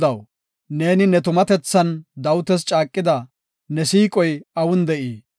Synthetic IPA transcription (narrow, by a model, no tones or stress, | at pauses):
d̪ɐw | ne̞ːnɪnɛt̪ʊmɐt̪ɛt͡sːɐnd̪ɐwʊt̪ɛst͡ʃʼaːkʼːɪd̪ɐ | nɛsiːkʼɔjɐwʊnd̪ɛʔiː